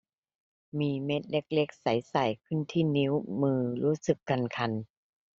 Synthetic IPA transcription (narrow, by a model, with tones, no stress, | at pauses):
miː˧me˦˥t̪̚le˧˦˥k̚le˦˥k̚sa˨˩˦jsa˨˩jkʰɯ˥˩˨nt̪ʰiː˥˩ni˧˦˥wmɯː˧ɾuː˦˥sɯ˨˩kːa˧nkʰa˧n